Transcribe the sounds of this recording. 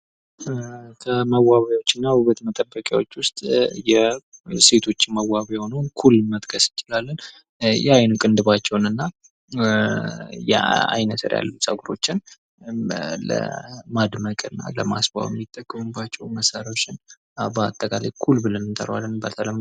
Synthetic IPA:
kʰəməwaβawo̞t͡ʃːɪnːahuβət̪mət̪ʼəbːəkʼja̰wot͡ʃːwʊst̪ʼjɛse̞t̪ʰo̞t͡ʃːɪməwːaβejho̞nəwkʰulːmət̪ʼkʰʼəsɨnt͡ʃɪlalːən | jɛajnukʼɨnd̪ɨβat͡ʃːɛwnɨnːa | jɛ̰a̰jnət̪ʰɨ̰ɾja̰lːusʼəɡuɾo̞̰t͡ʃːɪn | lə̰mad̪məkʼɨnːa̰ləma̰sba̰wɛmːit̪ʼːəkʼːɨmɨbat͡ʃːɛwməsaɾot͡ʃːɪn | abəat̪ʼːəkʼala̰jkʰulbɨlənɨnt̪ʰə̰ɾwa̰lːənbət̪ʰələm

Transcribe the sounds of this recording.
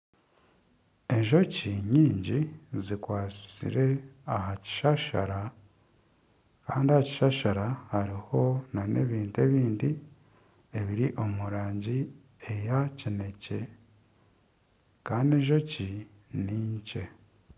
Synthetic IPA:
e̞ɲʒo̞ciɲiːɲɟizikwaːt͡si̥sḭɾe̞aɦaci̥ʃaʃa̰ɾa | kaːndiahaci̥ʃaʃaɾahaɾiho̞nane̞̰βiːntue̞βiːndi | e̞βiɾiʔo̞muɾaːɲɟi | e̞jacine̞ce̞ | kaːndieɲʒo̞ci | niːɲce̞

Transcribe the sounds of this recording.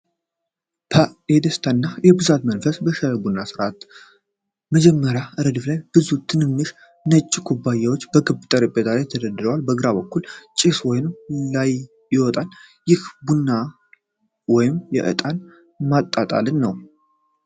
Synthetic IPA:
b̥ʰəed̪əst̪ʰaɨnːajɛbɨzat̪mənfəsbəʃəbunːasɨɾʔat̪ | məd͡ʒɛmːəɾjaɨɾəd̪ɨflajb̥ɨzut̪ʰɨnɨmːɨʃ | nət͡ʃʼːikʰubːajɛwo̞t͡ʃːbəɡɨbt̪ʼəɾɨbʼet̪ʰalajt̪ʰəd̪əd̪ɨɾəwalbəɡɨɾaβəkːult͡ʃʼɪswɔjɪnmlaj | jɛwɔt̪ʼan | jɪhbunːa | wɔjɪmjɛ̰ʔɨ̰t̪ʼan | mat̪ʼːat̪ʼa̰lɨnːəw

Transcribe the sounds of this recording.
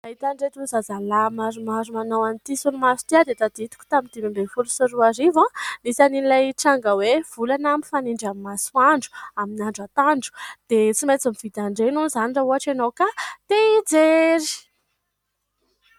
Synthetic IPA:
aɦit̪aɳɖ͡ʐet̪uzazalamaɾumaɾumanawanit̪isunimazu̥t̪iad̪et̪ad̪it̪u̥kʲu̥t̪amind̪imimbefulusuɾuaɾivãnisaninlajʈ͡ʂaŋɡəwev̥ulanamifaniɳɖ͡ʐamimasuaɳɖ͡ʐu̥aminaɳɖ͡ʐat̪aɳɖ͡ʐu̥d̪̥et͡simat͡simiv̥id̪aɳɖ͡ʐenunzanirauɦaʈ͡ʂanowkat̪eid͡zeɾi̥

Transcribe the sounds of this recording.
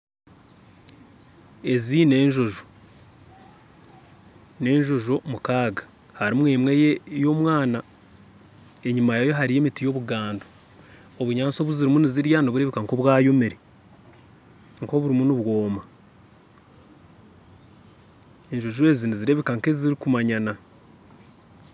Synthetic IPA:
e̞zine̞ːɲʒo̞ʒo̥ | ne̞ːɲʒo̞ʒo̞mukaːɡḁ | haɾimweːmwejo̞mwaːna | e̞ɲimajajo̞ɦaɾije̞ːmitijo̞βuɡaːndo | oβuɲaːnt͡so̞βuziɾimuniziɾjanoβuɾe̞βikaŋkoβwaːjo̞meɾe | ŋko̞βuɾimunuβwo̞ːma | e̞ɲʒo̞ʒue̞ziniziɾe̞ːβikaŋke̞ziɾikumaɲana

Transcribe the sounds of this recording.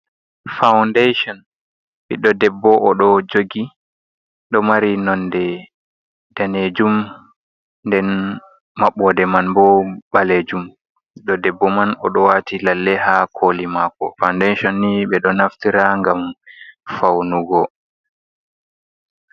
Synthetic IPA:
fawndejʃɔn | ɓiɗɔdɛbːɔʔɔɗɔd͡ʒoɡi | ɗɔmaɾinɔndɛ | d̥aned͡ʒum | ndɛn | maɓɔdɛmanbɔɓaled͡ʒum | iɗɔdɛbːɔmanɔ̰ɗɔwatʰilalːɛhakʰolimakɔ̰fawndejʃɔnːiɓɛɗɔnaftiɾaŋɡamfawnuɡɔ

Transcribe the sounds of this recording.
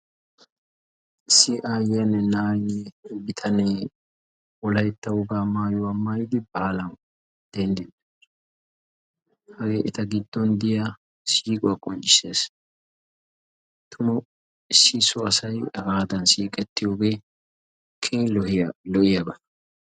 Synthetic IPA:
ɪsːɪʔaːjɛɐnːɛnaːjɪnːɛbɪt̪ʰɐneː | wɔlɐjt̪ːɐwʊɡaːmaːjɔwɐmːaːjɪd̪ɪbaːlɐn | d̪̥ɛnd̪ɛ | hɐɡeːʔɪt̪ɐɡɪd̪ːɔnd̪ɪjɐ | siːkʼʊɐkʼɔnt͡ʃʼɪ̥seːs | t̪ʰʊmɐ | ɪsːɪsʊɐsɐjɐɡaːd̪ɐnsiːkʼɛt̪ːɪjoɡeː | kʰeːlɔhlɔʔɪjɐbɐ

